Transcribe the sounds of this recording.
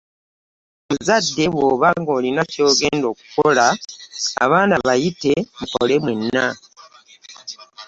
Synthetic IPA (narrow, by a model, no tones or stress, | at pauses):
muzadːe̞βwo̞ːβaŋɡo̞ːlinaco̞ːɡe̞ːndo̞ːku̥kola | a̰βaːnaβajite̞muko̞le̞mwenːa